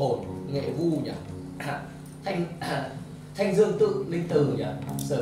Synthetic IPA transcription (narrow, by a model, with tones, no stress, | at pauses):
o˨˩nŋḛ˧˨vu˧ɲa̰ː˨˩ | t̪ʰa˧jŋ̟ | t̪ʰa˧jŋ̟zɨ˧əŋt̪ɨ̰˧˨li˧ŋt̪ɨ˨˩ɲaː˧˩səː˧˩